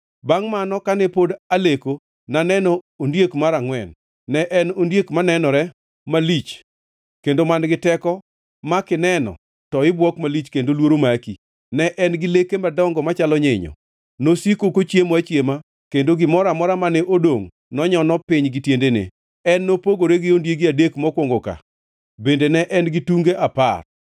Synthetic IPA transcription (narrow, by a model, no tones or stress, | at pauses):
baŋmanɔkanɛpodaleko | nanɛnɔ | ondjekmaɾaŋwɛ̰nː | ɛʔɛnondjekmanɛnɔɾɛ | malit͡ʃ | kendomanɡɪtɛkɔ | makɪnɛnɔ̰ | tɔɪbwɔkmalit͡ʃkendolwoɾomaki | nɛʔɛnɡɪlekemadɔŋɡɔmat͡ʃalɔɲɪɲɔ̰ | nosikokot͡ʃjemoat͡ʃjema | kendoɡɪmɔɾamɔɾamanɛʔodoŋ | nɔɲɔnɔpɪɲɡɪtjendenḛ | ɛnːopoɡoɾeɡɪondjeɡɪadekmɔkwoŋɡoka̰ | bendenɛʔɛnɡɪtuŋɡeʔapa̰r